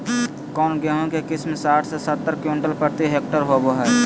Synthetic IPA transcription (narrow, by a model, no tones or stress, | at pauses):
kɔːnɡɛɦõkekɪsmesaːʈʰsesət̪ːəɾkʊɳʈəlpəɾt̪iɦeːk̚ʈəɾɦoboɦɛː